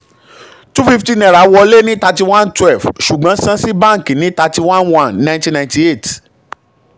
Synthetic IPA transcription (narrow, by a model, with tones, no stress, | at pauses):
tu˦fi˦˧fti˦nɛ̃˨ɾa˨˦wɔ˧le˦nĩ˦ta˧ti˧w̃ã˦ntwɛ˦˨fʃu˨ɡ͡bã˨˦sã˦si˦bã˦˨ŋ˨kĩ˨nĩ˨˦ta˧ti˧wã˦nwã˦˨nːã˧j̃tĩ˦nã˧˨ĩ˦ti˧e˦˨t